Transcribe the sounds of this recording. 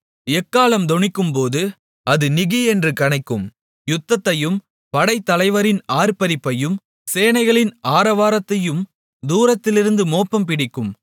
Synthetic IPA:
ɛkːaːlɐmd̪ɔɳɪkːɯmpoːðɯ | ʔɐðɯnɪɣiɛndrɯkɐɳɐɪkːɯm | jʊt̪ːɐt̪ːɐjɯm | pɐɽɐɪt̪ːɐlɐɪʋɐɾɪnaːɾpɐɾɪpːɐjɯm | seːnɐɪɣɐɭɪnaːɾɐʋaːɾɐt̪ːɐjɯm | d̪uːɾɐt̪ːɪlɪɾɯnd̪ɯmoːpːɐmpɪɽɪkːɯm

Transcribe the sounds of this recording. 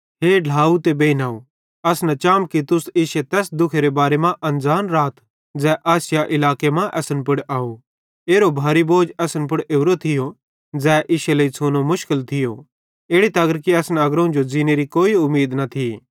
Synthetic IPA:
ɦeːɖʱaːut̪ebeːinaːu | ɐsnat͡ʃaːmkit̪ʊsɪːʃet̪ɛːsd̪ʊkʰeɾebaːɾemãʔɐ̃nd͡zaːnɾaːt̪ | d͡zɛːʔaːsɪjaʔɪlaːkemãʔɛːsənp̬ʊɽaːo | eːɾobʱaːɾiboːd͡ʒɛsənp̬ʊɽeːʊɾot̪ʰɪjo | d͡zɛːʔɪːʃelɐit͡sʰoːnomʊʃkɪlt̪ʰɪjo | eːɽit̪ɐɡəɾkiɐsnɐɡɾõd͡ʒod͡ziːneɾikoːiʊmːiːd̪nɐt̪ʰi

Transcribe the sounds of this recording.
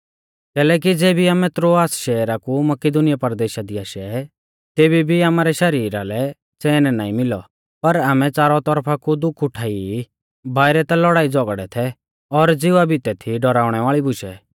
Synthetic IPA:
kɛːlɛːk̬id͡zeːbʱiaːmɛt̪ɾoaːsʃɛːɾakumɐkɪd̪ʊnɪjapɐɾd̪eːʃad̪iaːʃɛ | t̪eːbibʱiaːmaːɾɛʃɐɾiːɾalɛ | t͡sɛːnɛnaːĩmɪlɔ̰ | pɐɾaːmɛt͡saːɾɔt̪ɔɾpʰakud̪ʊkʰʊʈʰaːi | baːɪɾɛt̪alɔɽaːid͡zɔɡɽɛt̪ʰɛ | ɔɾd͡zɪʋabɪt̪ɛt̪ʰiɖɔɾaːʊɽ̃ɛʋaːɭibʊʃɛ

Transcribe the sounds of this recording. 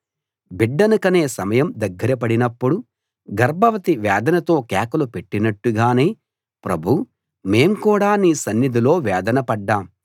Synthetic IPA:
biɖːɐnukɐne̞ːsɐmɐjɐmd̪ɐɡːɐɾɐp̬ɐɽinɐpːuɽu | ɡɐɾbʱɐʋɐt̪iʋɛːd̪ɐnɐt̪o̞ːkɛːkɐlupe̞ʈːinɐʈːuɡaːne̞ː | pɾɐbʱu | me̞ːmkuːɽaːniːsɐnːid̪ʱilo̞ːʋɛːd̪ɐnɐpɐɖːaːm

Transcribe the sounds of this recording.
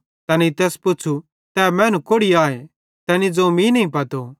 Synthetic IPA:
t̪ɛːnit̪ɛːspʊːt͡ʃʰu | t̪ɛːmɛ̃ːnũkoːɽiaːe | t̪ɛːnid͡zomĩnɐɦĩpɐt̪o

